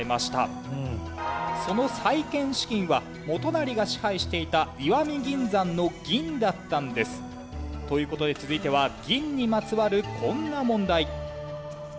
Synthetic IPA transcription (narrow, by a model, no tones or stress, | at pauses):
emaɕi̥t̪a̰ | so̞no̞saikẽ̞ɰ̃ɕi̥kʲĩɰ̃βa | mo̞t̪o̞naɾʲiɡaɕi̥haiɕi̥t̪e̞it̪aiβamʲiɡʲĩnd͡zãnːo̞ɡʲĩnd̪at̪ːãnd̪e̞sɨ̥ | t̪o̞jɯ̟ːko̞t̪o̞d̪e̞t͡sɨzɨit̪e̞β̞aɡʲĩɲ̟ːimat͡sɨβaɾɯ̟kʰõ̞nːamõ̞nd̪ai